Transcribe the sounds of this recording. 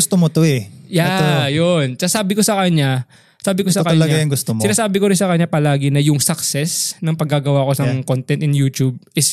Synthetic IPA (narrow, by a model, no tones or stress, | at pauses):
ɡʊst̪omot̪oɛjat̪jonsɐsaːbɪko̞sɐkɐɲa | saːbɪkosɐkɐɲlɐajɐŋɡʊst̪omɪnaːsaːbɪkoɾɪnsɐkɐɲːapɐlaːɡɪnɐjʊŋsɐksɛsnɐŋpɐɡːaːɡɐwako̞sɐŋkont̪ɛnt̪ɪnjuːt̪ub̚ɪs